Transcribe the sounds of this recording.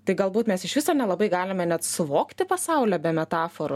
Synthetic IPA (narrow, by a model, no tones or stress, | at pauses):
t̪ɐɪɡɐlˠbuːt̪mʲɛsɪʃʋʲɪsoːnʲɛlˠɐbɐɪɡɑːlʲɪmʲɛnʲɛt̪sʊʋoːkt̪ʲɪpɐsɐʊlʲæːbʲɛmʲɛt̪ɑːfoɾo